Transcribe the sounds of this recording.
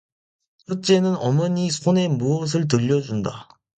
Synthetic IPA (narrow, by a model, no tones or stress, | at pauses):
t͡ɕʰʌt͡ɕ͈e̞nɯnʌmʌɲisʰone̞muʌs̬ʰɯɭt̬ɯʎːʌd͡ʑunda